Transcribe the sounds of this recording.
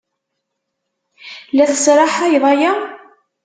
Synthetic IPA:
læθəsɾˤɑħæjðˤɑjæ

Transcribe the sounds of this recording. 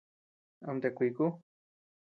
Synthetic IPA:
a̰mt̪ekʷiku

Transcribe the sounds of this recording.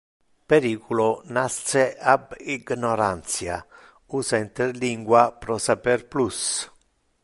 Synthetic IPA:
peɾiːkulonast̪seabiɡnɔɾant̪sja | uːsaint̪eɾliŋɡwapɾɔsapɛɾplus

